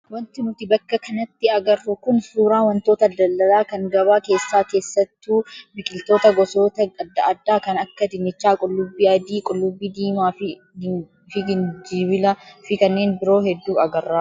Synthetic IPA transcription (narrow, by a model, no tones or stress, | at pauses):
wɐnt̪ɪnʊt̪ɪbɐkːɐkɐnɐt̪ːɪɐɡɐrːʊkʊnsuːɾaːwɐnt̪oːt̪ɐd̪ɐlːɐlaːkɐŋɡɐβaːke̞ːsːaːke̞ːsːɐt̪ːuːbɪkʼɪlt̪o̞ːt̪ɐɡɔso̞ːt̪ɐɐd̪ːɐʔɐd̪ːaːkɐnɐkːɐd̪ɪnɪt͡ʃːaːkʼʊlːʊbːiɐd̪iːkʼʊlːʊbːiːd̪iːmaːfɪ | fɪɡɪnd͡ʒiːbɪlɐfɪkɐnːe̞ːnbɪɾo̞ːhɛd̪ːuːɐɡɐrːaː